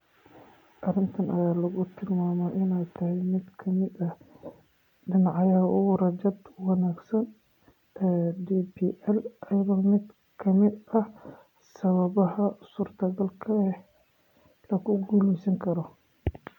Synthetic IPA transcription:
ʔɐrɪnt̪ʰɐnɐjaːlɐɣʊt̪ʰɪlmaːmɔʔɪnɛjt̪ʰɐɦɛjmɪd̪kʰɐmɪd̪ɐ | ɖɪnɑʕɑjɐʔʊwɾɐd͡ʒɐd̪wɑnaːɡsɐn | ɛdiːbiːʔɛlʔɐjɣɐmɪd̪ | kʰɐmɪd̪ɐh | sɐβɐβɐɦɐsuːrt̪ʰɐɡɐlkʰɐɛ | lɐkʊɡuːlisɐŋkʰɐɾɔ

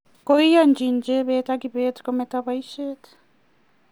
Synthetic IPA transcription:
koijand͡ʒind͡ʒeβetakiβeti̥kometaβaiʃeti̥

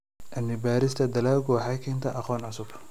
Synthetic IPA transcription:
ʔɐnːɪbaːɾɪst̪ʰɐd̪ɐlaːlɡʊwħɑjkʰɛːnt̪ʰɐʔɐχɔːnʕʊsʊb

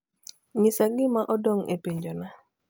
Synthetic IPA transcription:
ɲɪsaɡɪmaʔɔdoŋḛpiɲd͡ʒona

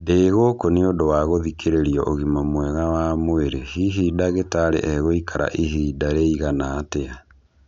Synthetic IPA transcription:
deɣokoneodowaɣoðikʰeɾeɾiɔʔoɣimamwɛɣawamoeɾehiɦiːdaɣetaɾḛʔɛɣoikʰaɾʔa̰ʔiɦiːdaɾeiɣanatea

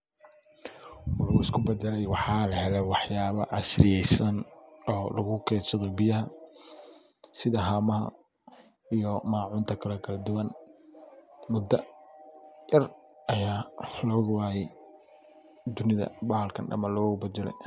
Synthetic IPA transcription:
lɐɣʊɪskʰʊbɛd̪ɛlɛjwɑħɑːlɐhɛlɛwɑħjaːβɐʕɑsrɪjɛjsɐnɔːlɐɣʊkʰɛːsɐðɔbɪjɐɦɐ | sɪðɐɦaːmɐɦɐ̰ | ijɔmaːʕʊːnt̪ʰɐkʰɐlɐkʰɐlɐd̪ʊwɐn | mʊd̪ːɐ | jɐr | ʔɐjaːlɔːɣwaːjɛj | d̪ʊnɪðɐ̰bɐhɐlkʰɐ̰nɖɐ̰mɐlɔːɣɣʊbɛd̪ɛlɛ̰j

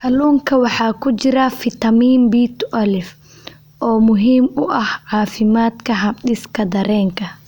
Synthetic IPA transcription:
ʔɐluːŋkʰɐwɑħɑːkʰʊt͡ʃɪɾɐfɪt̪ɐmiːnbiːt̪ʰʔɐlɪf | ʔɔːmʊɦiːmʊʔɐhʕɑːfɪmaːd̪kʰɐɦɐɗɪskʰɐd̪ɐɾɛːŋkʰɐ

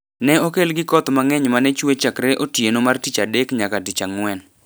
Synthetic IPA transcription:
nɛokelɡɪkɔt̪maŋɛɲmanɛt͡ʃwet͡ʃakɾeʔotjenomartit͡ʃadekɲakatit͡ʃaŋwɛn

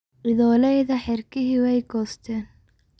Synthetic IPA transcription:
ʔɪðɔːlɛjðɐħɪrkʰɪɦiwɛjɡɔːst̪ʰɛːn

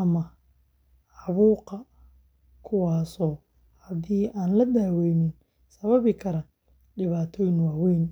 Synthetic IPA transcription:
ɐmɐ | ʕɑβuːqɑ | kʰʊwɑːsɔː | hɐdiːʔaːnlɐd̪aːwɛjmɪn | sɐβɐβɪkʰɐɾɐ | ɖɪβaːt̪ʰɔːjɪnwaːwɛjn

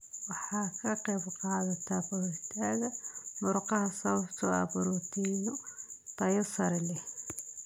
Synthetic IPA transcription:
wɑħɑːkʰɐqɛːbqɑːðɐt̪ʰabʊɾʊħt̪ʰaːɣɐmʊɾqɑhɐsɐβɐbt̪ʰʊɐ̰bʊɾʊt̪ʰiːnʊt̪ɐjɐsɐɾɛlɛ

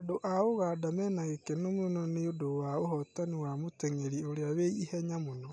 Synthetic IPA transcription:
adoʔaoɣadamɛːnaɣekenomonɔneodowaoɦɔtaniwamoteŋeɾioɾeaweihɛɲamonɔ

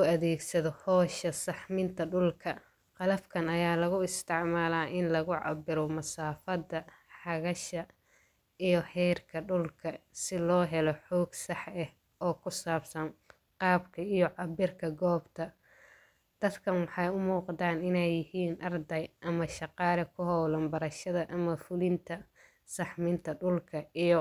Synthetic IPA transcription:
ʊɐðɛːɡsɐðɔhɔːʃɐsɑħmɪnt̪ʰɐɖʊlkʰɐ | qɑlɐfkʰɐnɐjaːlɐɣʊɪst̪ʰɪʕmaːlaːʔɪnlɐɣʊʕɑ̰bɪɾɔmɐsaːfɐd̪ɐ | ħɑɣɐʃɐ | ijɞhɛːrkʰɐɖʊlkʰɐsɪlɔːɦɛlɔħɔːɡsɑħɛh | ɔːkʰʊsaːbsɐn | qɑːbkʰɐijɔʕɑbɪrkʰɐɡɔːbt̪ʰɐ | d̪̥ɐd̪kʰɐnwɑħɑjʊmuːqɑt̪aːnɪnɛjːɪhiːnʔɑrd̪ɐjʔɐmɐʃɑqɑːlɛkʰʊɦɔwlɐmbɐɾɐʃɐðɐʔɐmɐfʊlɪnt̪ʰɐ | sɑħmɪnt̪ʰɐɖʊlkʰɐijɔ

